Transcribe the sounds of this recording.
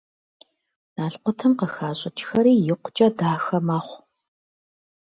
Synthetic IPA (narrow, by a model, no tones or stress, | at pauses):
naːɬqʷɔtʰɐmqəxaːɕʼɐt͡ʃʼxɐɾiːjɪqʷʊt͡ʃʼɐdaːxɐmaːχʷ